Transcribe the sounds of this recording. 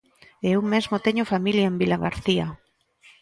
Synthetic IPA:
eewmezmot̪eɲofamiljaembilaɣaɾθia

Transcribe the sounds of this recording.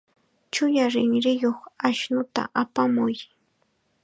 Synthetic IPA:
t͡ʃʊjaɾɪŋɾɪjoχaʃnʊt̪a̰ʔapamʊj

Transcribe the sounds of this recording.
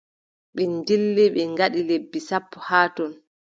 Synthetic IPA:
ɓɛndilːiɓɛŋɡaɗilebːisapːɔhaːtɔn

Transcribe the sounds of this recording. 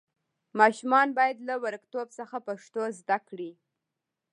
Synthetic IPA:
mɑʃumɑnbɑjad̪lawaɾəkt̪obsəxapaʂt̪ozd̪akɽi

